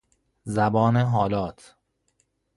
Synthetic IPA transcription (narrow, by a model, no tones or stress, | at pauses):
zæbɒːneɦɒːlɒːt̪ʰ